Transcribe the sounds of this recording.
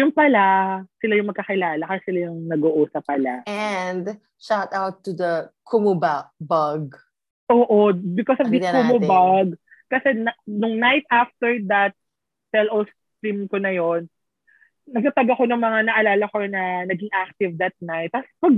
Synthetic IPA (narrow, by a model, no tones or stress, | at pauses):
jʊŋpɐlasɪlajʊŋmɐɡkɐkɪlaːlɐkɐsɛsɪlajʊŋnɐɡoʔuːsɐpːɐlaɛnd̪ | ʃat̪awt̪ːud̪ɐkʰʊmubabɐɡ̚ | ʔoːʔobɪkɔsɔvd̪ɪkʊmubaɡ | kɐsɛnnʊŋnajt̪̚aft̪ɛɹd̪ɐt̪̚ | sɛlʔos | t̪ɾimkonɐjon | nɐɡ̚t̪ɐt̪ɐɡɐko̞nɐŋmɐŋanɐʔɐlaːlɐkonɐnɐɡɪŋʔak̚t̪ɪvd̪ɐt̪̚najt̪̚ɐspɐɡ